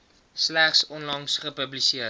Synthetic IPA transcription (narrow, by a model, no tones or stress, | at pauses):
slæχsɔnlɐŋsχəpəblisiə